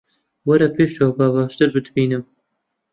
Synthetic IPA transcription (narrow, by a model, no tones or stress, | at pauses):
wɐɾɐpʰeːʃoːbɑːβɑːʃt̪ɨɾbɨd̪biːnɨm